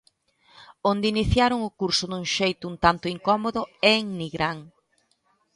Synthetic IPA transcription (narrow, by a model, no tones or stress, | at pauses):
ond̪ɪiniθjaɾʊŋʊkuɾsʊd̪uŋʃejt̪ʊunt̪ant̪ʊiŋkɔmoðʊɛŋniɣɾaŋ